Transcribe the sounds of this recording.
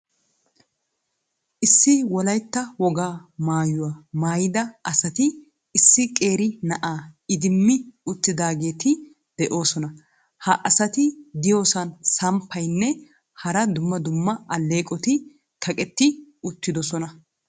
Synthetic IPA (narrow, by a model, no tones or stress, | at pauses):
ʔɪsːɪwɔlɐjt̪ːɐwɔɡaːmaːjʊwamaːjɪd̪ɐɐsɐt̪ɪː | sːɪkʼeːɾɪnɐʔaːɪd̪ɪmːɪʊt̪ːɪd̪aːɡe̞ːt̪ɪ | d̪̥ɛʔo̞ːsɔnɐ | hɐʔɐsɐt̪ɪd̪ɪjo̞ːsɐnsɐmpʰːɐjnːɛ | hɐɾɐd̪ʊmːɐd̪ʊmːɐʔɐlːe̞ːkʼɔt̪ɪ | kʰɐkʼɛt̪ːɪʊt̪ːɪd̪ɔsɔnɐ